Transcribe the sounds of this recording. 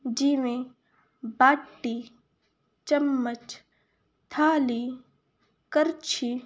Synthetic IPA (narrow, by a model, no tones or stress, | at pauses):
d͡ʒiːmẽ | baːʈːiː | t͡ʃəmːət͡ʃ | t̪ʰaːliː | kəɾt͡ʃʰi